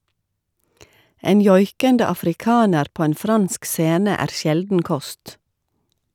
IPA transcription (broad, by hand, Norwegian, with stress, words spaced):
ˈeːn ˈjɔʏkəndə ɑfɾɪˈkɑːnəɾ ˈpoː ˈeːn ˈfɾɑnsk ˈseːnə ˈæːɾ ˈsjɛldn̩ ˈkɔst